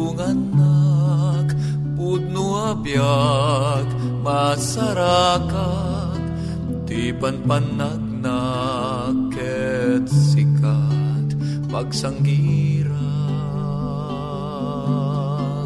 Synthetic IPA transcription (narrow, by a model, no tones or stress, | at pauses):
uŋanːa | k | put̪̚nuabja | k | masaɾaka | t̪ | d̪ipanpanːak̚na | k | ɛ | t̪sikat̪ | paɡsaŋɡiɾa